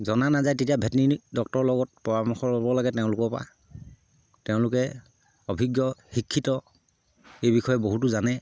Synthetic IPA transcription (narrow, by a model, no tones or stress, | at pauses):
zɔnanazajtetijabʱɛtnidɔk̚tɔɹlɔɡɔt̚pɔɹamɔxɔɹlɔbɔlaɡɛtɛʊ̃lʊkɔpa̰ | tɛʊ̃lʊkɛ | ɔbʱiɡjɔxikʰːitɔ | ejbixɔjɔboɦutuzanɛ